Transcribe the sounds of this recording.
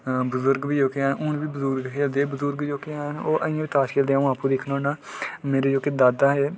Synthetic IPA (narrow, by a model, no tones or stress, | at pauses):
bəzʊɾɡbiːd͡ʒoːkeaːnʊnʋiːbəzʊɾɡkeːld̪eːbəzʊɾɡjoːkeaːnoːʔəɪ̃ːãːʋiːt̪aːʃkeːld̪eaːũaːpũːd̪ekʰnoːnaːmeːɾeːd͡ʒoːkeːd̪aːd̪aːɦeː